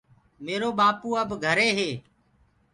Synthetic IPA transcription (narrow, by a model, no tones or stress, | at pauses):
meːɾoːɓaːpuːəbɡʱəɾeːɦeː